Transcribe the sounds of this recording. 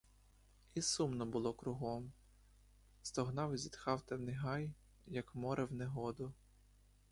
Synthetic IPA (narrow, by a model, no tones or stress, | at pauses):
isumnɔbʊlˠɔkɾʊɦɔm | st̪ɔɦnɑwzʲit̪xɑwt̪ɛwnɪɦɑj | jɐkmɔɾɛwneɦɔd̪ʊ